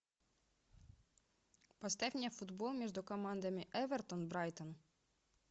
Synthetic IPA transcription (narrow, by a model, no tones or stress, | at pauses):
pɐst̪ɛwnʲɐfʊd̪bɔlˠmʲiʒd̪ʊkɔmɑnd̪ɐmɪʔɛʋert̪ɔnbɾɑjt̪ɔn